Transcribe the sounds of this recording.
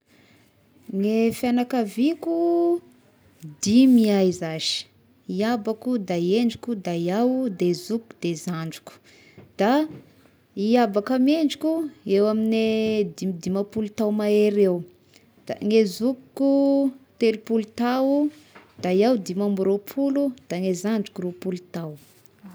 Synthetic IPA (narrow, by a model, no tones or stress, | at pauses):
ŋefjanakaviku | d̪imiajzaz̥i̥ | iabakud̪aieɳɖ͡ʐikʲud̪ajawd̪ezuku̥d̪ezaɳɖ͡ʐi̥ku̥ | d̪̥a | iabakəmieɳɖ͡ʐikʲuewamined̪imd̪imapulut̪awmaeɾew | d̪̥a̰ŋezukkut̪elupulut̪awud̪̥ajawd̪imambuɾopʰulud̪̥aŋezaɳɖ͡ʐi̥kuɾupulut̪aw